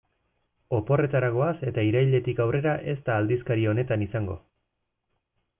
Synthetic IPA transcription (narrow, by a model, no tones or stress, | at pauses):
o̞po̞re̞t̪aɾaɣo̞ase̞t̪aiɾajʎe̞t̪ikawre̞ɾaʔe̞st̪aːld̪iskaɾio̞ne̞t̪anisaŋɡo̞̰